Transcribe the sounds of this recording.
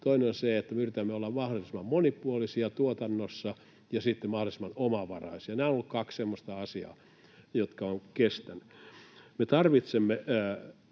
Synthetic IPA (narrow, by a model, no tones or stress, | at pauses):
t̪oineonseet̪ːæmeyrit̪æmːeolːɑmɑholisimːɑmmonipuolisiɑt̪uot̪ɑnːosːɑ | jɑsit̪ːemmɑholisemɑnomɑʋɑ̰rɑ̰isiɑnæːonolːukkɑkssemːost̪ɑɑsiɑ̰ː | jot̪kɑoŋkest̪ænːymet̪ɑrʋit̪semːe